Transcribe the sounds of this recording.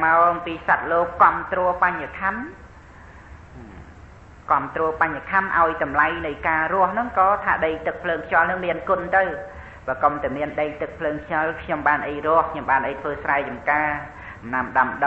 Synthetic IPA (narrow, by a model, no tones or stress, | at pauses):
maɔʔɑmpiːsat̪̚loːkːŏəmt̪rɔəpaɲakʰan | kŏəmt̪rɔːpaɲakʰanʔa̰ɔjt̪ɑmlajnɨjkaːrʊ̆əhnɨŋkɑːt̪ʰaːɗəjt̪ɨk̚pʰləːŋkʰt͡ɕɔ̆lnɨŋmiənkʊ̆nt̪ɨw | ɓaːkomt̪aɛmiənɗəjt̪ɨk̚pʰləːŋkʰjalkʰɲomɓaːnʔəjrʊ̆əhkʰɲomɓaːnʔəjt̪ʰʋəːsraɛt͡ɕɑmkaː | mnamɗamɗə